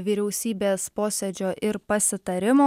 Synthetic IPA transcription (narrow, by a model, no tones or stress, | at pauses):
ʋʲiːɾʲɛʊsʲiːbʲeːspoːsʲed͡ʒʲoːʔɪɾpɐsʲɪt̪ɐɾʲɪmoː